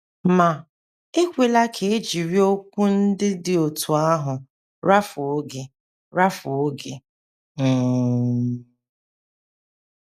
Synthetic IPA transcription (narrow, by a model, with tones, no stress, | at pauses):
ma˨ | e˦kʷe˨la˦kʰe˨e˦d͡ʒi˨ɾi˦o˦kʷu˦n̩˦dɪ˦dɪ˦o˨tʰu˨a˦ɦʊ˨ | ɾa˦fʊ˨o˦ɡe˨ | ɾa˦fʊ˨o˦ɡe˨